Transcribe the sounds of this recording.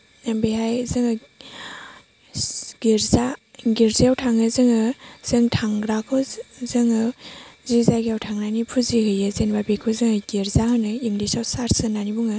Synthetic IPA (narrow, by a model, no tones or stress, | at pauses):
nambeɦajzɯŋɯ | ɡ̥iɾzaɡiɾzijawtʰaŋɯzɯŋɯz̥ɯŋtʰaŋɡɾakʰozɯŋɯzizaɡiawtʰaŋnanipʰuzihɯjɯzenbabekʰɯzɯŋɯɡiɾzahɯnɯiŋdisawsaɾsɯnːanibuŋɯ